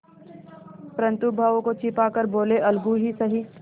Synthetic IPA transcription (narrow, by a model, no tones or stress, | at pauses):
pɾə̃nt̪ubʱaʋõkot͡ʃɪpaːkəɾboːleʔɐlɡuɦisɐɦi